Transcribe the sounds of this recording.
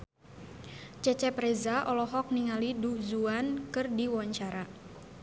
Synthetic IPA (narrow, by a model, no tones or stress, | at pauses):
t͡ʃɛt͡ʃɛpɾɛzaʔɔlɔɦɔk̚niŋaliduzuankɨrdiwaɲt͡ʃaɾa